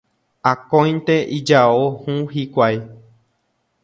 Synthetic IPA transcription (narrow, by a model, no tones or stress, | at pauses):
akõjnt̪eʔid͡ʒaohũɦikʷaj